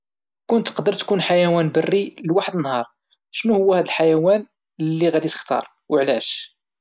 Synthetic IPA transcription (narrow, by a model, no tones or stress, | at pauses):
kʊnt̪ːqd̪əɾˤt̪kunħajæwænbərːiləlwaħəd̪ənːhɑɾˤ | ʃnuhʊwːæhæd̪əlħajæwæn | lːiɣæd̪it̪ə̥xt̪ɑ̰ɾˤ | wəʕlæʃ